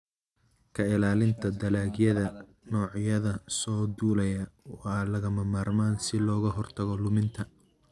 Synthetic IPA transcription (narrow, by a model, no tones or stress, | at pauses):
kʰɐɪlaːlɪnt̪ʰɐd̪ɐlaːɡjɐðɐ | nɔːʕjɐðɐsɔːd̪uːlɐjɐwɑːlɐɣɐmɐmaːrmaːnsɪlɔːɣɐɦɔrt̪ʰɐɣɔlʊmɪnt̪ʰɐ